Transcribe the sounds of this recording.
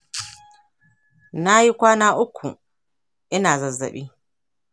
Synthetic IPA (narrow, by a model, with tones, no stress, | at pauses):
na˦ji˦kʷaː˦naː˦ʔʊ˦kʷʰːṵ˨ | ʔɪ˦naː˨zɐ˨zːɐ̰˨ɓiː˦